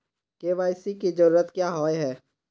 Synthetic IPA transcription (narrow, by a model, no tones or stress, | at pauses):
keːʋaːɪsikid͡ʒəɾuːɾət̪kjaːɦoːeɦɛː